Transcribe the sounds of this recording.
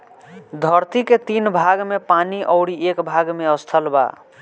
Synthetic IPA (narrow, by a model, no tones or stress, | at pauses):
d̪ʱəɾt̪iket̪inbʱaɡmepaniʔəʊɽiekbʱaɡmeəst̪ʰəlba̰